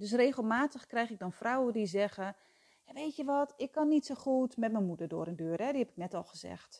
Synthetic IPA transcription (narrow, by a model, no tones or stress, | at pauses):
døs̬reːxəlˠmaːtəxkrɛjxɪk̚dɔnfrawədizɛɣə | jaʋejtjəʋɔtɪkːɔnːitsoχutmɛt̚mənmudərdʊ̰ːɾəndøːrɛdihɛpɪ̥k̚nɛtɔlˠxəzɛ̰xt